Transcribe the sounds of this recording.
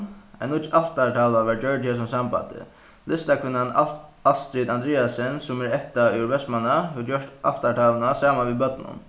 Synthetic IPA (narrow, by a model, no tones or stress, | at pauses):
ɛ̰nʊt̪aft̪aʈ̪ʰaːlaʋad͡ʒœɹʈjɛs̬ʊmsamba̰t̪ɪ̰ | lɪst̪akʰvɪnːanalst̪ɾiːt̪and̪ɾɛːasɛnsʊmɛɾɛkt̪aʉwɾvʋɛst̪manːaɛjɔʂt̪ʔa̰ft̪aʈ̪ʰaːlnasaːmanʋibœt̪nʊ̰n